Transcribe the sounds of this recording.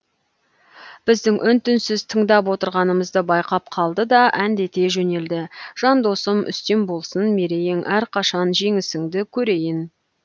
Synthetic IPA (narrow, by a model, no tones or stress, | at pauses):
b̥ɪzd̪ɪŋʔʏnt̪ʏnsɪzt̪ʰəɴd̪ɑpwo̞t̪əɾʁɑnəməzd̪əbɑjqɑp̚qʰɑlˠd̪əd̪ɑʔænd̪e̞t̪e̞ʒɵne̞ld̪ɪʒ̥ɑnd̪o̞səmʔʏ̰st̪e̞mbo̞lˠsənme̞ɾe̞jɪŋʔæɾqʰɑʃɑnʒe̞ŋɪsɪŋd̪ɪkʲʰɵɾe̞jɪn